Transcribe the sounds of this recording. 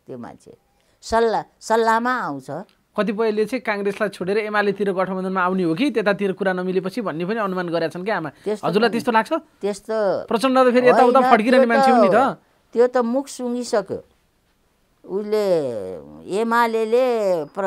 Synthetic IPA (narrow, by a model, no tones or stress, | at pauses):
t̪joma̰nt͡sʰḛ | sʌlsʌlːamaːw̃t͡sʰʌ | kʌt̪̬ip̬ʌilet͡sʌĩkaŋɡreslajt͡sʰoɽeɾʌemalet̪iɾoɡʌʈʰʌbʌnd̪ʌnmaːwniɦokit̪et̪at̪iɾokuɾanʌmilepʌt͡sʰibʱʌnːepʌniʌnumanɡʌɾjat͡sʰʌnkiɦamaesɦʌ̰d͡zurlajt̪est̪olaɡ̚t͡sʰʌt̪est̪oprʌt͡sʌnɖʌt̪apʰeɾieawt̪apʰʌɽkiɾʌnemanʰepʌnit̪ʌ | t̪jot̪ʌmukʰsuŋɡisʌkjo̰ | usle | emalelep